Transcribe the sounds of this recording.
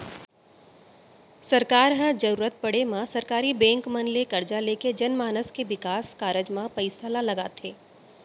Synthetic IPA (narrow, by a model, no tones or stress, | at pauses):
sɐɾkaːɾɦə̃d͡ʒɐɾuːɾət̪̚pɐɽemãsɐɾkaːɾibɛ̃ːŋkmɐnlekɐɾd͡ʒaleːked͡ʒɐnmaːnəskeʋɪkaːskaːɾəd͡ʒmãpɐɪsalalɐɡaːt̪ʰeː